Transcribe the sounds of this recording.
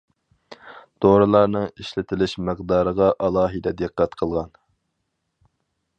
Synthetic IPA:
d̪̥oɾɨlˠɑɾnɨŋiʃlɪt̪ʰɪlɪʃməqd̪ɑːɾəʁɑʔɑlˠɑːɦid̪ɛd̪ɨqːɛt̪qʰəlˠʁɑn

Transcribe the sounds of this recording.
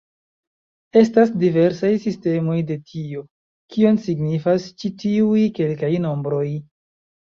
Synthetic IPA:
e̞stasdive̞ɾsajsiste̞mo̞jde̞tʰio̞ | kʰio̞nsiɡnifast͡ʃitiujke̞lkajno̞mbɾo̞j

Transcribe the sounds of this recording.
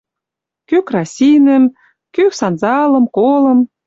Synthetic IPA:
kykrɑsʲinə̆m | kyksɑnzɑlɤ̆mkolɤ̆m

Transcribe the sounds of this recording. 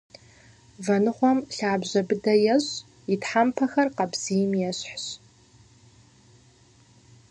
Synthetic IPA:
vɐnɨχʷɔmɬaːbʑɐbɨdɐjɛɕ | itħampʰɐxɐrqɐbz̥ijmjɛɕħɕ

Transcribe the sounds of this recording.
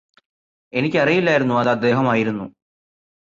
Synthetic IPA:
e̞nikʲːɐrijilːaːjiɾunːuɐðɐd̪ːe̞ːɦɐmaːjiɾunːṵ

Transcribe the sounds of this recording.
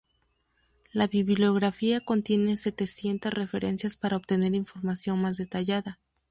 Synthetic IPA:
laβiβljo̞ɣɾafiako̞nt̪je̞ne̞se̞t̪e̞sje̞nt̪asre̞fe̞ɾʔe̞̰nsjaspaɾaopt̪e̞ne̞ɾiɱfo̞ɾmasjo̞nmazðe̞t̪aʝaða

